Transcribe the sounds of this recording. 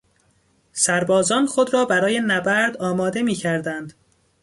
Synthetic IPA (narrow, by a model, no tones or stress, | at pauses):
sæɾbɒːzɒːnxo̞d̪ɾɒːbæɾɒːje̞næbæɾd̪ɒːmɒːd̪e̞miːcʰæɾd̪ænd̪